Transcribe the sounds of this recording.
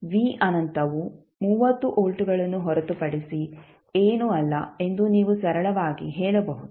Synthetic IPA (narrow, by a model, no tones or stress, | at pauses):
ʋiːʔɐnɐnt̪ɐʋu | muːʋɐt̪ːuʔoːɭʈuɡɐɭɐnːuɦɔɾɐt̪upɐɽisi | eːnuɐlːɐ̰e̞nd̪uniːʋusɐɾɐɭɐʋaːɡḭɦɛːɭɐbɐɦud̪u